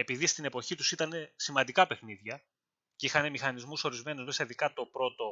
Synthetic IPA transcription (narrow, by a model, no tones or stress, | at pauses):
e̞piðist̪ine̞po̞çit̪usit̪ɐne̞simɐnd̪ikɐpe̞xniðʝɐ | ceixɐne̞mixɐnizmuso̞ɾizme̞nuzme̞sɐiðikɐt̪o̞pɾo̞t̪o̞